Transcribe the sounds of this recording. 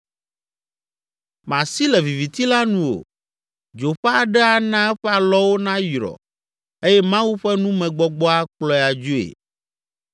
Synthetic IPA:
mã˨si˦lɛ˨vi˨vi˨t̪i˦la˦nũ˨wo̰˨ | d͡ʒo˨ɸɛ˦a˨ɖɛ˦a˨nã˦ɛ˦ɸɛ˦a˨lɔ˦wo˦nã˦jɾɔ̰˨ | e˦jɛ˦mã˦wu˦ɸɛ˦nũ˦mɛ̃˨ɡ͡bɔ˨ɡ͡bɔ˦a˦k͡plɔ˦ja˨d͡ʒu˦ḛ˨

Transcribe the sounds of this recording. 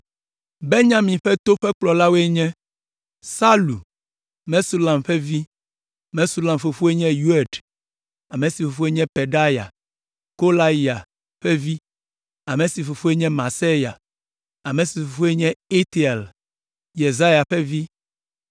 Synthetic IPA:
be˦ɲã˦mĩ˨ɸɛ˦t̪o˦ɸɛ˦k͡plɔ˨la˦we˦ɲɛ̃˦ | sa˦lu˨ | mɛ̃˦su˦lã˨mɸɛ˦vi˦ | mɛ̃˦su˦lã˨mfo˨fu˦e˦ɲɛ̃˦ju˦ɛ˨ɖ | a˨mẽ˨si˨fo˨fu˦e˦ɲɛ̃˦pe˨ɖa˦ja̰˨ | ko˦la˦i˨a˨ | ɸɛ˦vi˦ | a˨mẽ˨si˨fo˨fu˦e˦ɲɛ̃˦mã˨se˦ja˨ | a˨mẽ˨si˨fo˨fu˦e˦ɲɛ̃˦e˦t̪i˨e˨l | je˨za˦ja˨ɸɛ˦vi˦

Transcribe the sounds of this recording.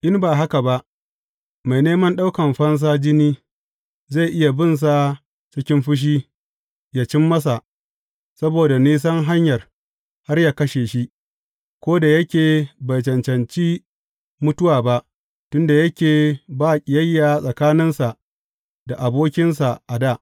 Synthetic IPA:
ʔɪ˦mbaː˨ɦa˦ka˨ba˦ʔ | ma˨jneː˦mɐ˦nɗa˦wkɐ˨mɸɐ˦ns̬aː˦d͡ʒɪ˦niː˦ | za˦˨jʔɪ˦ja˨bɪ˦˨ns̬a˨ | t͡ʃɪ˦kʲɪ˦mɸɪ˦ʃ̬iː˦ | jaː˦˨t͡ʃɪ˦mːɐ˦sa˨ʔ | sɐ˦boː˨da˨niː˦s̬ɐ˦ŋɦa˦ɲjɐ˨r | ha˦rjaː˦kɐ˦ʃeː˨ʃi˦ | kʷoː˦da˨jɐ˦kʲeː˨bɐ˨jt͡ʃɐ˨nt͡ʃɐ˨nt͡ʃiː˦ | mʊ˦tʊ˦waː˨ba˦ʔ | tʊ˦nda˨jɐ˦kʲeː˨baː˦˨kʲʼɪ˨jɐ˦jːaː˨sʼɐ˨kaː˦nɪ˦nsa˨ʔ | da˨ʔa˨boː˦kʲɪ˦nsa˨ʔa˨daː˦˨ʔ

